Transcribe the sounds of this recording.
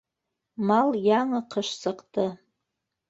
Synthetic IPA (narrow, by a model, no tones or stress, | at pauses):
maljaŋaqʰəʂt͡sʼaqʼtʰʼɨ